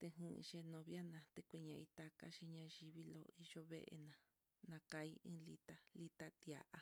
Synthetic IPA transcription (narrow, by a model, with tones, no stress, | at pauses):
t̪e˧ɦṵ̃˦˧ʃe˧nõ˧βja˦nã˧t̪e˧kʷi˧ɲã˧i˧t̪a˧ka˦ʃi˧ɲã˧ʒi˧βi˦lo̰˧i˧ʒo˦βe˦ʔḛ˧nã˧ | nã˧ka˧i˦ĩ˦li˧t̪a˧li˧t̪a˦t̪ja̰˨ʔʔa˧